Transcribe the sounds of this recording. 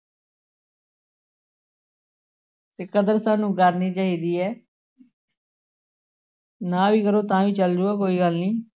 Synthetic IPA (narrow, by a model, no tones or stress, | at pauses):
t̪eːkəd̪əɾsaːnũːkəɾniːt͡ʃaːɦiːd̪iːɛː | nãːʋiːkəɾoːt̪ãːʋiːt͡ʃəld͡ʒuːaːkoːiːɡəlniː